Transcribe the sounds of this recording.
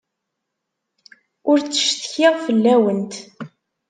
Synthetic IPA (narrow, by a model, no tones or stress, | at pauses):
ʊɾt͡sːə̥ʃt̪çɪʁfəlːæwənt̪